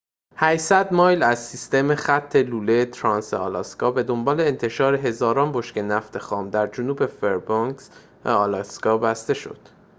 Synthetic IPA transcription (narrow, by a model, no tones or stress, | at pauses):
hæjsæd̪mɒːjlæz̥sist̪e̞mexæt̪ʰːe̞luːlet̪ʰɾɒnsḛɒ̰lɑskɒːbe̞d̪o̞mbɒːle̞ːnt̪ʰe̞ʃɒːɾe̞ɦe̞zɒːɾɒːnbo̞ʃkce̞næft̪ʰe̞xɒːmd̪æɾd͡ʒonuːbe̞feɾboŋks | æ̰ɒlɑskɒːbæst̪e̞ʃo̞̰d̪̥